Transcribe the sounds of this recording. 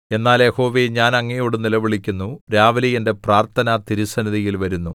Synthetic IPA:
e̞nːaːljeho̞ːʋeːɲaːnɐŋːɐjoːɽɨnilɐʋiɭikʲːunːuɾaːʋɐlijende̞praːrt̪ʰɐnɐt̪iɾusɐnɐðijilʋɐɾunːu

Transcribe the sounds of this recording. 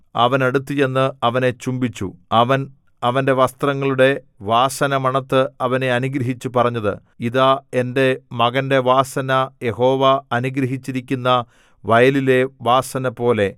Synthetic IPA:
ɐ̰ʋɐne̞ɽut̪ːije̞nːɨɐʋɐne̞t͡ɕumbit͡ɕːṵɐʋɐn | ɐʋɐnde̞ʋɐst̪rɐŋːɐɭuɽe̞ | ʋaːsɐnɐmɐɳɐt̪ːɨɐʋɐne̞ɐnuɡɾɐɦit͡ɕːupɐrɐɲːɐðɨ̰ | iðaːe̞nde̞mɐɣɐnde̞ʋaːsɐnɐje̞ho̞ːʋaɐnuɡɾɐɦit͡ɕːiɾikʲːunːɐ | ʋɐjɐlile̞ʋaːsɐnɐpːo̞ːle̞

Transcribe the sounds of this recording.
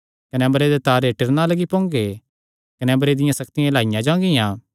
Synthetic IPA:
kɐnɛmɾed̪et̪aːɾeʈɪɾnalɐɡipõːŋɡe | kɐnɛmɐɾed̪ɪjãsɐkt̪ɪjãlaːɪjãd͡ʒãːɡɪjãː

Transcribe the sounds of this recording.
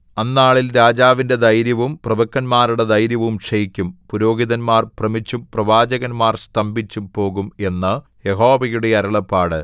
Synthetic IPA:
ɐnːaːɭilɾaːd͡ʑaːʋinde̞d̪ɐjɾjɐʋumprɐbɐkːɐnmaːɾuɽed̪ɐjɾjɐʋumʂɐjikʲːumpuɾo̞ːɡiðɐnmaːrprɐmit͡ɕːumprɐʋaːd͡ʑɐɣɐnmaːrst̪ɐmbit͡ɕːupo̞ːɣume̞nːɐ | je̞ɦo̞ːʋɐjuɽe̞ɐɾɐɭɐpːaːɽɨ

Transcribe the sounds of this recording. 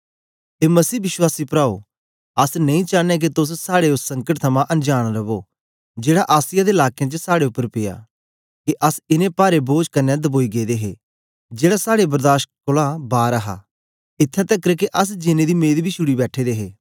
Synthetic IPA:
t̪eːmɐsiːbɪʃwaːsipɾaːo̰ː | ɐsnɐ̃ĩt͡ʃaːnek̬et̪ʊs̬saːɽeʊssɐ̃ŋkəʈ̚t̪ʰɐmãʔɐnd͡ʒaːɽ̃ɾɐboː | d͡ʒeːɽaʔaːsɪjad̪eɪlaːkejãt͡ʃəsaːɽeʊpːəɾpɪja̰ː | kiʔɐsɪnẽpaːɾeboːd͡ʒkɐnːɛ̃d̪ɐboːiɡeːd̪eːɦḛː | d͡ʒeːɽasaːɽebɐɾd̪aːʃʈ̚kʊlabaːɾɐɦa̰ː | ɪt̪ʰːat̪ɛkːɾəkeʔɐs̬d͡ʒɪnẽd̪imeːd̪bʱiʃʊɽibɛːʈʰed̪eːɦeː

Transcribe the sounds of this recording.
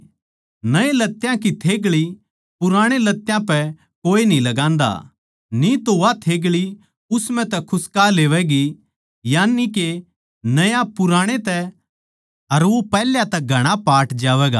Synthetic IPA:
nɐẽlɐt̪ːjãkit̪ʰeːɡɭi | pʊɾãːɽ̃elɐt̪ːjãpɛ | koːinĩlɐɡãːnd̪a̰ | nit̪oʋat̪ʰeːɡɭi | ʊsmɛ̃t̪ɛkʰʊskaleːʋɛɡi | jaːnːike | nɐjãpʊɾãːɽ̃et̪ɛ | ɐɾʋopɛːljãt̪ɛɡʱɐɽ̃apaːʈd͡ʒaːʋɛːɡa̰ː

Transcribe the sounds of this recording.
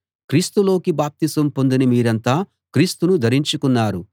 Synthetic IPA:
kɾiːst̪ulo̞ːkibaːp̚t̪isɐmpo̞nd̪inimiːɾɐnt̪aː | kɾiːst̪unud̪ʱɐɾiɲt͡ʃukunːaːɾu

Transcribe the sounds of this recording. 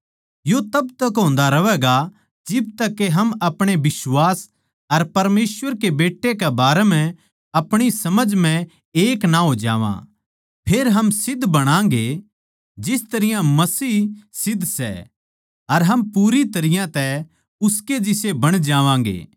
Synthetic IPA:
jot̪ɐbt̪ɐkɦõːnd̪aɾɐʋɛːɡa | d͡ʒɪb̚t̪ɐkːeɦɐmɐpɽ̃ebɪsʋaːs | ɐɾpɐɾmeːsʋəɾkebeːʈːekɛbaːɾɛmɛ̃ | ɐpɽ̃isɐməd͡ʒmɛ̃ | eːknaɦoːd͡ʒa̰ːʋã̰ | pʰeːɾɦɐmsɪd̪ʱbɐɽ̃ãːŋ̆ɡe | d͡ʒɪst̪ɐɾɪjãmɐsiːsɪd̪ʱsɛ̰ | ɐɾɦɐmpuːɾit̪ɐɾɪjãt̪ɛ | ʊsked͡ʒɪsebɐɽ̃d͡ʒaːʋãːɡḛː

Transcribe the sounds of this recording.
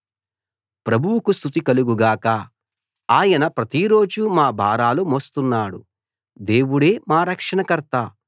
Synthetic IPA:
pɾɐbʱuwukust̪ʰut̪ikɐluɡuɡaːkɐ | aːjɐnɐpɾɐt̪iɾo̞ːd͡ʒumaːbʱaːɾaːlumoːst̪unːaːɽṵ | d̪e̞ːwuɽe̞ːmaːɾɐkʂɐɳɐkɐɾt̪aː

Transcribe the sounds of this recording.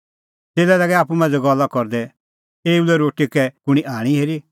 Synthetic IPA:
t̪eːlɛlaɡɛaːp̬umãːnd͡zɛɡɔlːakɔɾd̪ɛ | eːulɛɾoːʈikɛkʊɽ̃iʔaːɽ̃iɦeːɾi

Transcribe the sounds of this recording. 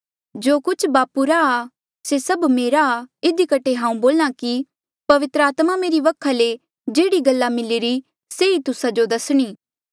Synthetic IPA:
d͡ʒoːkʊt͡ʃʰbaːpuɾaː | sesɐbmeːɾaːɪd̪ikɐʈʰeɦãːũboːlñaki | pɐʋɪt̪ɾəaːt̪mameːɾiʋɐkʰːale | d͡ʒeːɽiɡɐlːamɪliɾi | seit̪ʊsad͡ʒod̪ɐsɽ̃iː

